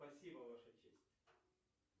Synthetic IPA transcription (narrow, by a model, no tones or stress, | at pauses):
pɐsʲibəvaʂʊt͡ɕḛsʲtʲ